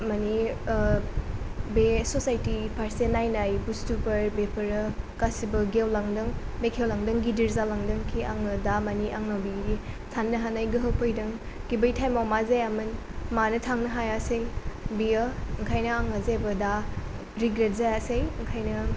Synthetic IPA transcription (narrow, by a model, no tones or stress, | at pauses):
mani | besosajtipʰaɾsenajnajbustubɐɾbepʰɐɾɐkasibɐɡewlaŋdɯŋmekʰewlaŋdɯŋɡidiɾzalaŋdɯŋkʰiʔaŋɯdamaniʔaŋnawbiitʰanːɐɦanajɡɯɦɯwpʰojdɐŋ | ɡ̥ibɐjtʰajmawmazajamɯn | manɐtʰaŋnɐɦajaseŋbiɐɯŋkʰajnɐaŋɐzebɐda | ɾiɡɾet̚zajasejŋkʰajnɐ